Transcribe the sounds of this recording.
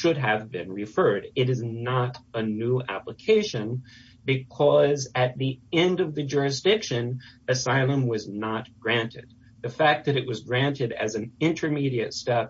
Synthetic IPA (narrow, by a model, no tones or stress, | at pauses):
ʃʊd̚ɨvbɪ̰̃nɹɨfɜ˞ɾɪɾɨznəɾənuæ̰pləkʰeɪʃɨ̃n | bɨkʰʌzɨt̪̚ðiɛ̃ndʌvðɨd͡ʒʊɹɨs̬d̥ɪkʃɨ̃nɨsaɪlˠə̃mwʌznət̚ɡ̥ɹæ̃ntʰɨ̰d̪̚ | ðɨfæk̚ðɨɾɨʔ̚wʌzɡɹæ̃ntɨɾɨ̰z̃n̩ɪ̃ntʰə˞miɾiɨtstɛp